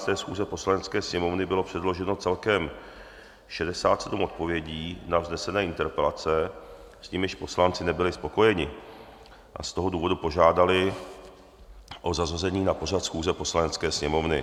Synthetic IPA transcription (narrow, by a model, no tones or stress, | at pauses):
t̪ɛːsxuːzɛpo̞slanɛt͡skɛːsɲɛmo̞vnɪbɪlo̞pr̥ɛdloʒɛno̞t͡sɛlkɛm | ʃɛdɛsaːt̪sɛdumo̞t̪̚po̞vjɛɟiːnavznɛsɛnɛːɪnt̪ɛɾpɛlat͡sɛ | sciːmjɪʃpo̞slant͡sɪnɛbɪlɪspo̞ko̞jɛɲɪ | ʔa̰st̪o̞ɦo̞duːvo̞dupo̞ʒaːdalɪ | ʔozazazɛɲiːnapo̞r̝at̪sxuːzɛpo̞slanɛt͡skɛːsɲɛmo̞vnɪ